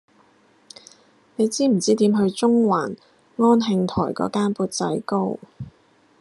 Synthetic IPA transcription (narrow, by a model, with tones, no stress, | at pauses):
ne˨˧jt͡siː˥m̩˨˩t͡siː˥t̪iː˨˥mɦɵ˧ɥt͡ʃʊ˥ŋwaː˨˩n | ŋɔː˥nɦɪ˧ŋt̪ʰɔ̰ː˨˩jkɔ̰ː˨˥kaː˥npuː˧t̚t͡sɐ̰˨˥jko˥w